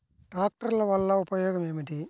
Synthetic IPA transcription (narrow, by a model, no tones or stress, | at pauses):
ʈɾaːk̚ʈɐɾilɐʋɐlːɐupɐjoːɡɐmeːmɐʈi